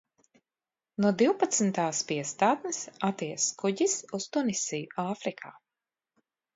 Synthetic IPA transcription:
nuɔd̪iwpat̪sn̩t̪aːspiɛst̪aːt̪nɨsat̪iːɛskuɟisust̪unisijuaːfɾikʰa̰ː

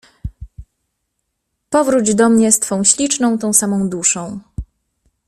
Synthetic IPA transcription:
pɔvɾud͡ʑd̪ɔmɲɛst̪fɔ̃w̃ɕlʲit͡ʂnɔ̃w̃t̪ɔ̃w̃samɔ̃w̃d̪uʂɔ̃w̃

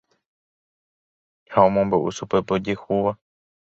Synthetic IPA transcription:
haõmõmboʔṵsupe̞pod͡ʒehuʋa

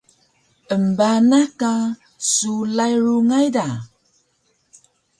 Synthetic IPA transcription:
əmbanaka | sulajɾuŋajda

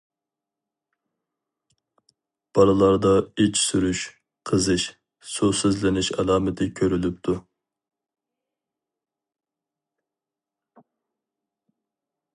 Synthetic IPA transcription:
b̥ɑlˠɨlˠɑɾd̪ɑit͡ʃʰsyɾyʃ | qʰəzɨʃ | susyzlɪnɪʃɑ̰lˠɑːmɪt̪ʰɪkʲʰøɾylyp̚t̪ʰu

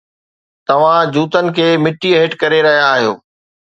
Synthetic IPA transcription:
t̪ɐʋ̤ãd͡ʑuːt̪ənɪ̆kʰeːmɪʈːieːʈkɐɾeɾɐɦijaːɦijo̰ː

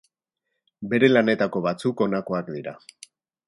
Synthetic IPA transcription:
be̞ɾe̞lane̞t̪ako̞βat͡suko̞nako̞akd̪iɾa

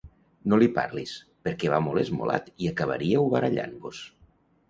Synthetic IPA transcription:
nolipaɾlis | peɾkɛβamolˠezmo̰la̰t̪iakəβ̞ə̰ɾiəuβaɾaʎa̰nbus

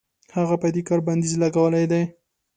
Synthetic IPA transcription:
haɣapad̪ikɑɾband̪izlaɡawəlajd̪aj

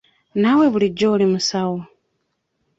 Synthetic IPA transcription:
naweβuliɟːoulimusawo

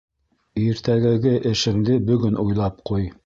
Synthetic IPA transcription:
iɾt̪æɡæɡɘʔɘ̆ʃɘ̆md̪ɘbɵ̆ɡɵnʔujlˠɑpquj

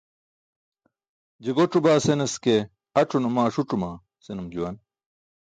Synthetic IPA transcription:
d͡ʑiɡoʈ͡ʂubaːsenɐske | ɐʈ͡ʂʰunumaːʂuʈ͡ʂumaː | senumd͡ʑuwɐn

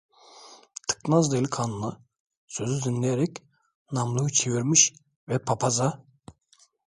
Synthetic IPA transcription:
t̪ʰɯ̥knazd̪ailʲikʰanɯna | søzyzinlʲɛjeɾɛc | namlˠujut͡ʃʰeviɾmiʃ | vɛpʰapʰaza

